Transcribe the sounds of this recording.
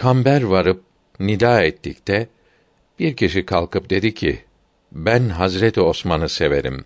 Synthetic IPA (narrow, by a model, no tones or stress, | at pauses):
kʰambæɾvaɾɯp̚ | nid̪aːɛt̪ʰːict̪ʰɛ | b̥iɾcʰiʃikʰalˠkʰɯp̚d̪e̞d̪icʰḭ | bænɦazɾet̪ʰio̞smanɯse̞ve̞ɾḭm